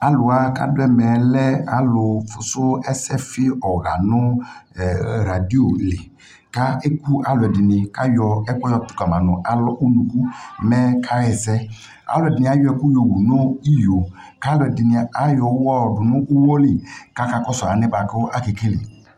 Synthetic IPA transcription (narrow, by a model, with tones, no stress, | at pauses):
a˦lʊ˨a˨˦ka̰˦dʊ˦ɛ˦mɛ˨lɛ˦a˦lʊ˨fʊ˨sʊ˦ɛ˦sɛ˦fɪ˦ɔ˨ɣa˨nʊ˦˨ | ɾa˨di˦o˨lɪ˨ | ka˦e˦ku˦a˨˦lʊ˨ɛ˨dɪ˨nɪ˨ka˦jɔ˧ɛ˦kɔ˦jɔ˧tʊ̥˨˦ka˨ma˨nʊ˨ʔa˨lɔ˦ʔu˦nu˨ku˦˨mɛ˦kʰa˦jɛ˨zɛ˦ | a̰˨˦lʊ˨ɛ˨dɪ˨nɪ̃˨a˦jɔ˦ɛ˨ku˦jo˨wu˨no˦i˦jo˨ | ka˦lʊ˨ɛ˨dɪ˨nɪ˨a˦jɔ˨˦wɔ˦˨dʊ˨nʊ˦ʔu˦wo˦lɪ˨ka˦ka˦kɔ˦sa˨˦nɪ˦ba˨kʊ˦ʔa˦ke˨ke˦lḭ˨